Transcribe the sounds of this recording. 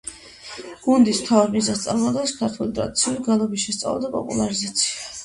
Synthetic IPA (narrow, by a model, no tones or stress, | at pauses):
ɡ̥und̪ismt̪ʰavaɾmizast̪sʼaɾmɔd̪ɛskʰaɾt̪ʰulit̪ʼɾa̰d̪it̪sʰiuliɡalˠɔbisʃɛst̪sʼa̰lˠa̰d̪apʼɔ̰pʼṵlˠaɾizat̪sʰia